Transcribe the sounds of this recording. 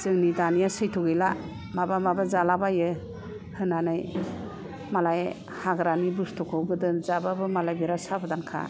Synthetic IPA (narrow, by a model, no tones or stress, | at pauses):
z̥ɯŋnidanijasɯjtʰuɡɯla | mabamabazalabajɯ | hɯnanɯj | malaj | haɡɾanibustʰɔkʰɔwɡɯdɯnzababɯmalajbiɾasabɯdankʰa̰